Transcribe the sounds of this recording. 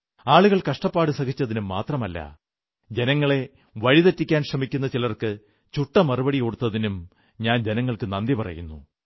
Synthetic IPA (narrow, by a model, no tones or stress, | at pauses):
aːɭuɣɐɭkɐʂʈɐpːaːɽɨsɐɣit͡ɕːɐðinumːa̰ːt̪rɐmɐlːɐ̰ | d͡ʑe̞nɐŋːɐɭe̞ | ʋɐɻiðɐtːikʲːaːnɕrɐmikʲːunːɐt͡ɕilɐrkɨ | t͡ɕuʈːɐmɐrubɐɽiko̞ɽut̪ːɐðinum | ɲaːnd͡ʑenɐŋːɐɭkɨnɐnd̪ipɐrɐ̰junːṵ